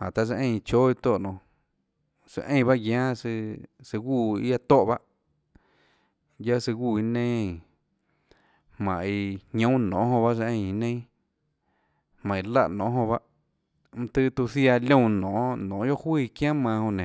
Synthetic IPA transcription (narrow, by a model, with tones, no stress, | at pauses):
a˨t̪a˧s̬e˧ʔẽ˧˨˧t͡ʃoː˦i˧t̪o˧˨nõ˨ | sɨ̰˧˨ʔẽ˧j̃ba˦ʔɡjãː˦sɨ˧sɨ˧ɡu˦˧˨i˦a˧t̪o˦ʔba˦ʔ | ja˦sɨ˧ɡʷuː˧˨i˧nẽ˦˧˨ | hmã̰˨ʔi˧hɲõ˦nõ̰˨˦ɦõ˧ba˦s̬e˧ʔẽ˧j̃i˧nẽ˦ | hmã˨ĩ˧la˧ʔnõ˨˦ɦõ˧ba˦ʔ | m̩̃˧t̪ɨ˦t̪u˧θja˧lʲõ˦˧˨nõ˨ʔnõ˨˦jo˦ʔhwiː˧˨kj̃ãː˦mã˧hõ˧nẽ˨